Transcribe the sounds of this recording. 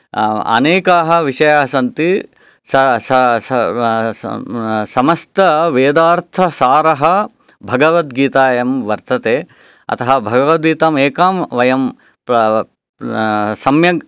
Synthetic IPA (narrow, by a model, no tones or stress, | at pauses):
ɐ̰neːkaːɦɐ̆ʋiʂɐjaːsɐnt̪i | sɐs | sɐmɐst̪ɐʋeːd̪aːɾt̪ʰɐsaːɾɐɦɐ | bʱɐɡɐʋɐt̪ɡiːt̪aːjɐmʋɐɾt̪ɐt̪eː | ɐ̰t̪ɐɦɐbʱɐɡɐʋɐt̪̚ɡiːt̪aːmeːkaːmʋɐjɐm | sɐmjɐɡ